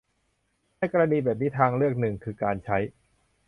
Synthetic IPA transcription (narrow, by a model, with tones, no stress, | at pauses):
na˧˩jkɔ˧ɾa˧niː˧bɛː˨˩p̚niː˦˥t̪ʰaː˧ŋɾɯ˥˩ək̚nɯ˨˩ŋkʰɯː˧kaː˧nt͡ɕʰa˦˥j